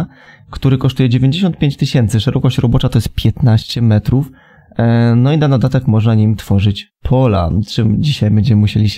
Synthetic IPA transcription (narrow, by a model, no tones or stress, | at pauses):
kt̪uɾɘkɔʂt̪ujɛd͡ʑevʲjeɲd͡ʑeɕ̬ɔnt̪̚pʲjeɲt͡ɕt̪ɘɕɛnt̪sɘʂɛɾɔkɔɕt͡ɕɾɔbɔt͡ʂat̪ɔjɛst̪̚pʲjɛt̪naɕt͡ɕɛmɛt̪ɾuf | nɔinad̪ad̪at̪ɛkmɔʐnaɲimt̪fɔʐɘt͡ɕpʰɔla̰t͡ʂɘmd͡ʑiɕajbɛɲd͡ʑɛmɘmuɕelʲiɕ